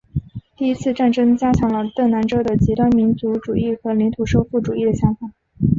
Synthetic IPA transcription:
t̪i˥˩i˥t͡sʰɹ̩˥˧ʈ͡ʂa˥˩nʈ͡ʂɤ˥ŋt͡ɕja˥t͡ɕʰjɑ˧˥ŋlə˧t̪ɤ˥˩ŋna˧˥nʈ͡ʂɤ˥d̪ə˨t͡ɕi˧˥t̪wa˥nmi˧˥nt͡su˧˥ʈ͡ʂu˨˩i˥˩xɤ˧˥li˧˥nt̪ʰu˨˩ʂo˥˧ʊfu˥˩ʈ͡ʂu˨˩i˥˩d̪ə˩ɕjɑ˧˥ŋfa˨˩˦

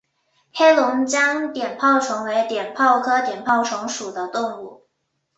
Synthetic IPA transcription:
xe˥ɪlʊ˧˥ŋt͡ɕjɑ˥ŋt̪jɛ˨˩npʰɑ˥˩ʊʈ͡ʂʰʊ˧˥ŋwe˧˥ɪt̪jɛ˨˩npʰɑ˥˩ʊkʰɤ˥t̪jɛ˨˩npʰɑ˥˩ʊʈ͡ʂʰʊ˧˥ŋʂu˨˩d̪ə˦t̪ʊ˥˧ŋu˥˩

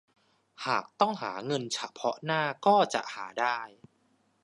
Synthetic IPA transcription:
haː˨˩k̚t̪ɔ˥˩ŋɦaː˩˦ŋɤ˧nt͡ɕʰa˦˩pʰɔ˦˥ʔnaː˥˩kɔː˥˩t͡ɕa̰˨˩ʔhaː˩˦daː˥˩j

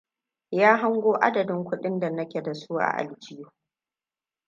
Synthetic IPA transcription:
jaː˦ɦa˦ŋɡʷoː˦ʔa̰˦dɐ˨dɪ˦ŋkʷʊ˦ɗɪ˦nda˨nɐ˦kʲe˨da˨su˦ʔa̰˨ʔa̰˨ld͡ʒɪ˦joː˦˨

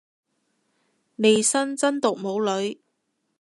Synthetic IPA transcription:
ne˨jsɐ˥nt͡sɐ˥nt̪ʊ˨k̚mo˨˧˥wlɵ˨˥ɥ

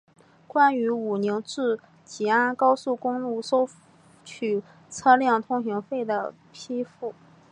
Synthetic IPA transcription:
kwa˥ny˧˥u˨˩ni˧˥ŋʈ͡ʂɻ̩˥˩ | t͡ɕi˨˩a˥nkɑ˥ʊsu˥˩kʊ˥ŋlu˥˩ʂo˥ʊ | t͡ɕʰy˨˩ | t͡sʰɤ˥ljɑ˥˩ŋt̪ʰʊ˥ŋɕi˧˥ŋfe˥˩ɪd̪ə˩ | pʰi˥fu˥˩

